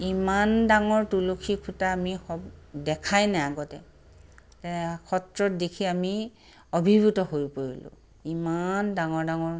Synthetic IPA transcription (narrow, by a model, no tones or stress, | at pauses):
imandaŋɔɹtulokʰikʰutaːmixɔbdɛkʰajnɛaɡɔtɛ | tɛkʰɔtɹɔt̚dekʰiami | obʱibutɔɦojpoɹilʊ̰̃ | imandaŋɔɹdaŋɔɹ